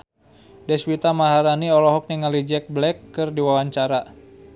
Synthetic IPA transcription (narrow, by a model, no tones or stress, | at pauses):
dɛswit̪amaɦaɾaniɔlɔɦɔk̚niŋalid͡ʒɛk̚blɛkːɨrdiwawaɲt͡ʃaɾa